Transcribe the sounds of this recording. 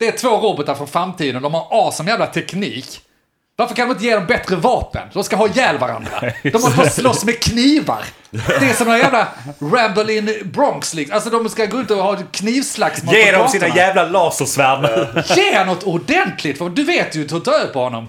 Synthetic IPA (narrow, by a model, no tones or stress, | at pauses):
d̪̥ɛæt̪ʰvoːɾoːbɔt̪aɾfɾɔnfɾamːt̪ʰiːd̪ənd̪ɔmhaɾɑːsɔnjæːvlat̪ʰɛkniːk | vaɾfœɾkʰand̪ɔmɪnt̪əjeːd̪ɔmbɛt̪ɾəvɑːpə̰nd̪ɔmskaɦɑːjɛːlva̰ɾa̰nd̪ɾa̰d̪ɔmɔst̪əhɑslɔsːmɛkʰniːva̰ɾ | d̪ɛæsɔmːnajæːvlaɾæmbɛlɪnbɾɔŋkslɪksalsɔd̪ɔmskaɡoːɪnt̪əɔhɑːɛkʰniːvslaksmmaeːdɔsiːnajɛːvlalɑːsəsvæɾməjeːnɔt̪ːʊdɛnt̪ʰlɪkt̪fɔd̪ɵveːt̪jɵt̪ʰɔt̪ʰœpʰɔhɔnːɔ̰m